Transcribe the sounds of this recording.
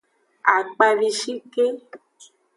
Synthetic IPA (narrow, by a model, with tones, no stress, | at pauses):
a˨k͡pa˧vi˧ʃi˦ke˦